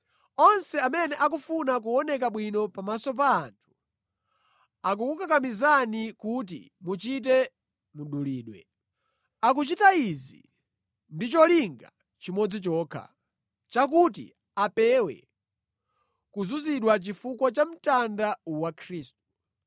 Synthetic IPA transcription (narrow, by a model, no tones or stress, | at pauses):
ɔnsɛamɛnɛʔakufunak̬uɔnɛkaɓwinɔpamasɔpaːntʰu̥ | ak̬ukukakamizanikut̬ḭ | mut͡ʃit̬ɛ | muɗuliːɗwɛ̰ | ak̬ut͡ʃitaizḭ | ndit͡ʃɔliŋɡa̰ | t͡ʃimɔd͡zit͡ʃɔːkʰa̰ | t͡ʃak̬ut̬ḭ | apɛwɛ̰ | kuzuziɗwat͡ʃifukwɔt͡ʃam̩tandawakʰɾiːstu̥